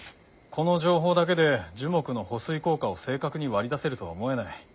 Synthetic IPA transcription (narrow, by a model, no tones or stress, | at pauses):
kʰo̞no̞ʑo̞ːɦo̞ːd̪ak̬e̞d̪e̞d͡ʑɨmo̞kɯ̟no̞ho̞sɨiko̞ːkao̞se̞ːkakɯ̟ɲ̟iβaɾʲid̪ase̞ɾɯ̟t̪o̞βaomo̞e̞nai